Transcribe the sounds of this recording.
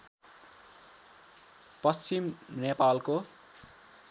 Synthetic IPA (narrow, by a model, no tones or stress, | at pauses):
pʌst͡simnepalko